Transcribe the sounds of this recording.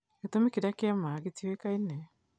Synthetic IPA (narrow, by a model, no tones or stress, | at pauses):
ketomikiɾakeamaːɡetiekainɛ